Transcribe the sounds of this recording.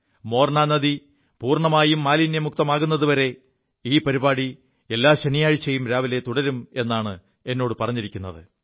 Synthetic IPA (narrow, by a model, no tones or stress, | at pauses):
mo̞ːrɳaːnɐði | puːrɳɐmaːjumːaːlinːe̞muk̚t̪ɐmaːɣunːɐðuʋɐɾe̞ | iːpɐɾibaːɽi | e̞lːaːɕɐnijaːɻit͡ɕːejumɾaːʋile̞t̪uɽɐɾume̞nːaːɳɨ | e̞nːo̞ːɽɨpɐrɐɲːiɾikʲːunːɐðɨ